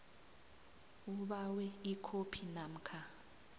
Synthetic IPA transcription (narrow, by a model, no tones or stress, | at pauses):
uɓawɛikʰopʰinam̩kʰa